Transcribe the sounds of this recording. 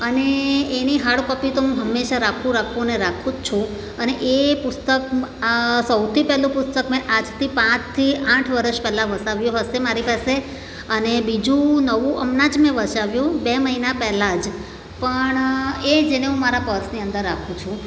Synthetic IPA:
əneːniɦaɭkəpit̪oɦũɦəmːeʃaɾakʰũɾakʰuneɾakʰũt͡ʃʰũ | əneʔepʊst̪ək | səwt̪ʰipɛɦlũpʊst̪əkmẽʔad͡ʒt̪ʰipãt͡ʃt̪ʰiãʈʰʋəɾəʃpɛɦlaʋəsaʋjõɦəsemaɾipase | ənebid͡ʒũnəʋũʔəmnad͡ʒmẽʋəʃaʋjũbeməɦinapɛɦlad͡ʒ | pəɳed͡ʒeneɦũmaɾapəɾsniənd̪əɾːakʰũt͡ʃʰũ

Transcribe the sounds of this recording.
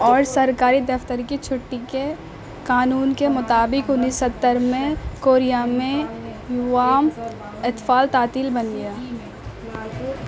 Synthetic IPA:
ɔːɾsɐɾkaːɾid̪ɐft̪əɾkit͡ʃʰʊʈːike | kaːnuːnkemʊt̪aːbɪkʊnːiːsət̪ːəɾmẽkoːɾijamẽjʊʋaːm | ɪt̪faːlt̪aːt̪iːlbɐnɡijaː

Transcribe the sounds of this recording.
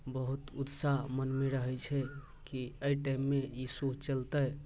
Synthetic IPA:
bəɦut̪ut̪saɦmənmeɾəɦɛt͡ʃʰɛ | kiəjʈajmːejisut͡ʃəlt̪əj

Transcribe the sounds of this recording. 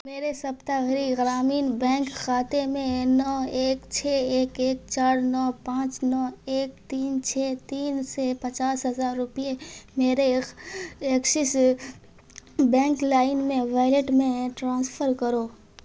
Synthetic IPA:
meːɾesɐpt̪aɣɾiɣɾaːmiːnbɛ̃ːŋkxaːt̪emẽnɔːeːkt͡ʃʰɛːeːkeːk̚t͡ʃaːɾnɔːpãːt͡ʃnɔːeːk̚t̪iːnt͡ʃʰɛːt̪iːnsepɐt͡ʃaːsɦɐzaːɾːʊpiemeːɾe | ɐkʃɪs | bɛ̃ːŋklaːɪnmẽʋaːɪleʈmẽʈɾãːspʰəɾkəɾoː

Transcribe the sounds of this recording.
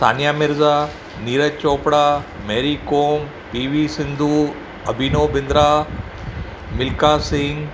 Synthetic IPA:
t̪ʰa̰ːnijaːmɪɾzaː | niːɾət͡ɕoːpɽameːɾikoːm | biːʋisɪ̃nd̪ʱuː | ɐbʱiːnoːbɪ̃nd̪ɾaː | mɪlkaːsɪ̃ŋɡ

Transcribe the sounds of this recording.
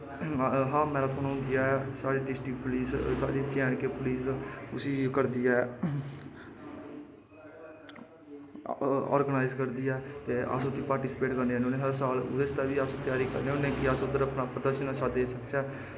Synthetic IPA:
ɦãːmɛ̃ːɾaːt̪ʰoːnũɦʊ̃nd̪ɪjaːɛsaːɽeːɖɪsʈiːkpʊliːssa̰ːɽeːt͡ʃɛ̃ːɳkeːpʊliːsʊsiːkəɾd̪iːɛː | ɔ̰ːɾɡənaːɪzkəɾd̪iːɛːt̪eːʔə̰sʊt̪ʰiːpaːɾʈiːsɪpeːʈkəɾneaːnonẽːɦəɾsaːlʊ̰d̪est̪aːʋiːəst̪ɪjaːɾiːkə̰ɾneːʊnːẽːkɪəsʊd̪əɾəpnaːpɾəd̪əɾʃənasaeːsək̚t͡ʃɛː

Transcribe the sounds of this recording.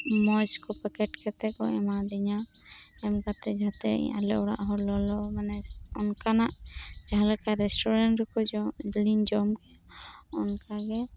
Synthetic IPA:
mɔd͡ʒkɔpɛkɛʈkɛt̪ɛkɔɛmad̪ɛɲaɛmkat̪ɛd͡ʒʱat̪ɛ̰ḭjã̰lɛ̰ʔɔɽa̰ʔɦɔlɔlɔmɛnɛɔnkanaʔd͡ʒaɦalɛkaɾɛsʈɔɾɛɳʈɾɛkɔlind͡ʒɔmkɛ | ɔnkaɡɛ

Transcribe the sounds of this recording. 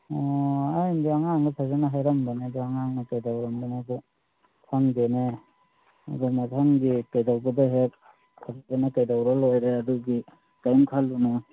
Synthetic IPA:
ɔajndɔaŋaŋɡupʰazenaɦajɾambanedɔaŋaŋnakajdawɾamdɔnaɡɔ | pʰaŋdene | a̰dɔmatʰaŋɡikajdawɡɔdaɦek̚ | pʰaɡtanakajdawɾalojɾeaduɡi | kajmkʰalːuna

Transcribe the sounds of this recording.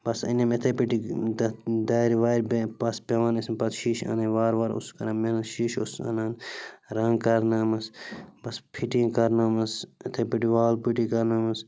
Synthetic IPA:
bɐsɐ̰nemet̪ʰepiʈid̪d̪aːɾiʋaːɾbepɐspeʋanismpɐt̪ʃiːʃɐ̰nẽʋaːɾʋaɾṵskɐɾɐ̃menɐʃiːʃṵsɐ̰naːnɾɐŋɡkɐɾnaːmɐsbɐspʰiʈĩkɐɾnaːmɐsɐt̪ʰepiʈiʋaːlpiʈikɐɾnaːmɐs

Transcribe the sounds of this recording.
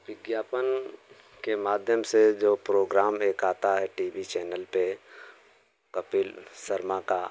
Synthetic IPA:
ʋɪɡjaːpən | kemaːd̪ʱjəmsed͡ʒoːpɾoːɡɾaːmeːkaːt̪aɦɛʈiːʋit͡ʃɛːnəlpe | kɐpilsəɾmãka

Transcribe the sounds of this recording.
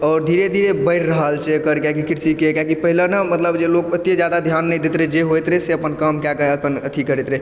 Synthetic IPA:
ɔːɾd̪ʱiɾed̪ʱiɾebəɪɾɾəɦəlt͡ʃɛkəɾkjakikiɾsikekjakipəɦilenəmət̪ləbd͡ʒelokət̪jed͡ʒjad̪ad̪ʱjanːɛjd̪et̪ɾɛd͡ʒeɦojt̪ɾɛseəpənkamkakəəpənət̪ʰikəɾɛt̪ɾɛ

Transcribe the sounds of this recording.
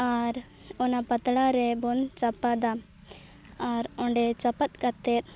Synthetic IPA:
aɾ | ɔnapət̪ɽaɾɛbɔnt͡ʃapad̪a | aɾɔ̃ɳɖɛt͡ʃapat̪̚kat̪ɛɾ

